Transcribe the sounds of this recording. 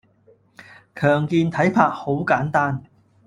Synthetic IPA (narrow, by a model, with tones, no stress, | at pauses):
kʰœː˨˩ŋkiː˧nt̪ʰɐ˨˥jpʰaː˧k̚ho˨˥wkaː˨˥nt̪aː˥n